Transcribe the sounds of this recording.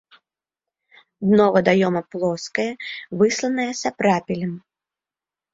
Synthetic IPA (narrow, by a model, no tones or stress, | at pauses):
d̪nɔvɐd̪ajɔmɐplˠɔskɐjɐvɨslˠɐnɐjɛsʲɐpɾapʲilʲɐm